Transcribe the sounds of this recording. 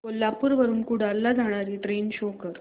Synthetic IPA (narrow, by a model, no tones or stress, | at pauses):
kolːapuːɾʋəɾuːnkuɽaɾlːad͡zaɽ̃aɾiːʈɾenɕokəɾ